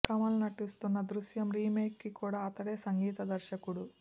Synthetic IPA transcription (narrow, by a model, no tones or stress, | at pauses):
kɐmɐlnɐʈist̪unːɐd̪ɾuʃjɐmɾiːme̞ːkːikuːɽaːɐt̪ɐɽe̞ːsɐŋɡiːt̪ɐd̪ɐɾʃɐkuɽu